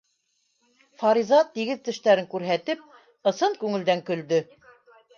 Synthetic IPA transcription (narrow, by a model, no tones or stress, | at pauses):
fɑɾizɑt̪ːiɡɘðt̪ɘ̆ʃt̪æɾɘŋkʉɾɦæt̪ɘp̚ | ɤ̆sɤŋkʉŋɘ̆ld̪æŋkɵ̆ld̪ɵ